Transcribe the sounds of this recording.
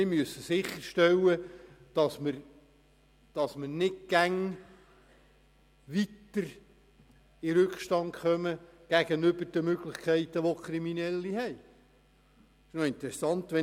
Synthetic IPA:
mɪmyəsəsɪχːəɾʃtɛwəd̥ɑsməɾ | d̥ɑsmənɪtɡ̥æŋ | ʋit̪ːəɾ | iɾʉkʃtɑntχœməɡ̥æɡənʏbəɾd̥əmøɡlɪχkʰɛɪt̪əʋokʰɾiminɛlːihɛj | ɪ̥ʃnoɪnt̪ɾɛsɑnt̪ʋɛ

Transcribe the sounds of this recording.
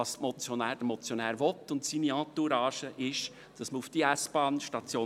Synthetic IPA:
ɑstmɔt͡sjɔnæːd̥əmɔt͡sjonæːɾʋɔt̪ːʊntsiːniɑ̃tuɾɑːʃəʔɪʃ | d̥ɑsməufd̥iæsb̥ɑːnʃtɑt͡sjoː

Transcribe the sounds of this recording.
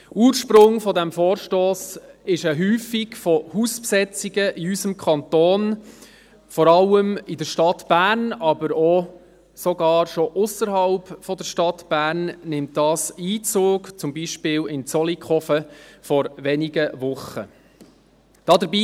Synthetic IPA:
uːɾʃpɾʊŋfɔdæmfoːɾʃtoːsɪʃəɦyːfiɡ̥fɔhuspsɛt͡siɡəʔiysəmkʰχɑnt̪oːn | fɔɾɑləmidəʃtɑtb̥æːɾnɑbəɾɔ | sɔɡɑːɾʃɔʔʊsəɾɦɑlpfɔd̪əɾʃtɑt̪b̥æːɾnnɪmt̚d̥ɑːsiːt͡soːkt͡sʊmbiʃpɪːlɪnt͡sɔlikχɔfəfɔɾʋɛniɡəʋʊχə̰ | d̥ɑd̪əɾbiː

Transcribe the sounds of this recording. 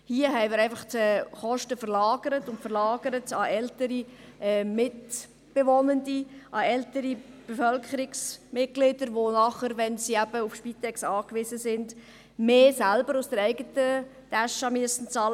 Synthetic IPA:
hiəɦɛɪmɪːɾɛɪfɑχt͡sɛχɔʃtəfəɾlɑːɡəɾətʊntfəɾlɑːɡəɾətɑʔɛltəɾiʔɛːmɪt | b̥eʋɔnəndiʔɑɛltəɾib̥efœlkχəɾɪksmɪt̚ɡ̥lɪd̥əɾʋonɑχəɾʋɛnsiæb̥əufʃpitɛksɑːkʋɪsəsɪnd | meːsælbəɾusd̥əɾɛɪɡətə | d̥æʃɑmyəsən̩t͡sɑlə

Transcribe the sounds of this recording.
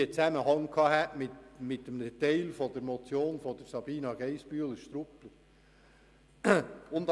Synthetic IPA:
ət͡sæməhɑŋkʰɑːhæʔmɪtmɪtːəmdɛt̪ɛɪlfɔd̥̪əɾmot͡sjoːnfɔd̪əɾsɑb̥iːnɑɡ̥ɛɪsb̥yːələʃt̪ɾʊplə | ʊnt̪

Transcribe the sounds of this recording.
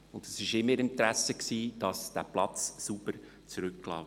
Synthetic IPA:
ʊndəsɪʃɪmːəɾɪntɾæsəksiːd̥ɑsd̪̥æ̰plɑt͡sːubəɾ | t͡sɾʏkːlɑ̰ː

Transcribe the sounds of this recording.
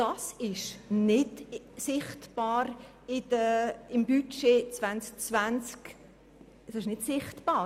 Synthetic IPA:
d̥ɑsɪʃnɪd | sɪχtb̥ɑːɾ | ɪd̥əɪmbyt͡ʃet͡svansk̚t͡svænt͡sk | d̥ɑsɪʃnɪdsɪχtb̥ɑː

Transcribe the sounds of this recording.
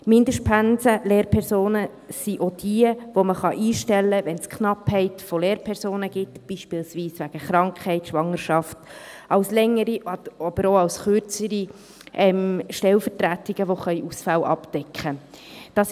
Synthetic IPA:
mɪndəʃtpʰænsəleːɾpʰɛɾsoːnə | siʔod̥iəʋoməχɑʔiːʃtɛlːəvɛnskʰχnɑphɛɪtfoleːɾpʰɛɾsoːnəɡ̥ɪtb̥iːʃpiːlsʋiːsʋæɡ̥əχɾɑŋkχhɛɪtʃʋɑŋːəɾʃɑftɑʊslɛŋːəɾiʔɑb̥əɾoɑwsχøɾt͡səɾi | ʔɛmʃtɛlfəɾtɾætɪɡ̥əʋoχœʏʔusfalʔɑ̰pd̥ɛkχəd̥ɑs

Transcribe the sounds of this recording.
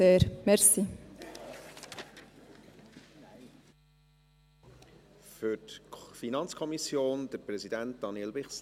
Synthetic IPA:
eːɾmɛɾsi | fʏɾtfinɑnt͡skʰɔmisjoːnd̥̪əɾpɾɛzidænt̚d̪̥ɑnilbɪχs

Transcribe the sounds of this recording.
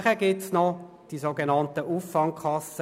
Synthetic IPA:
χəɡɪtsnɔ | d̥isoɡenɑntəʔufːɑŋkʰɑs

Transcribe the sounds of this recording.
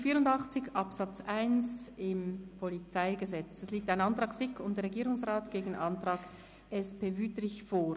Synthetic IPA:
fiːʁʊndɑχt͡sɪçʔɑpsɑt͡sʔaɪnsɪmpʰolit͡saɪɡəzɛt͡sɛsliːk̚taɪnɑntʁ̥ɑːksɪkʰʊntd̥ɛɐɾʁeɡiːɾʊŋsʁaːtɡ̥eːɡn̩ɑntʁ̥ɑːɡ̥ | ɛspeːvyːtɾɪçfoː

